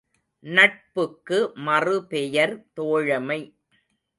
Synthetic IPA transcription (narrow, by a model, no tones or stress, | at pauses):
nɐʈ̚pɯkːɯmɐrɯpɛjɐɾt̪oːɻɐmɐɪ